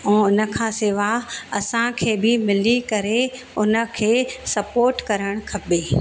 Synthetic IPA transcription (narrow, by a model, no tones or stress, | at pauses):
ɛ̃ːʊnə̆kʰãːseːʋaɐsãkʰeːbɪmɪlikɐɾe | ʊnə̆kʰeːsɐpoːɾʈkɐɾəɽ̃kʰɐbeː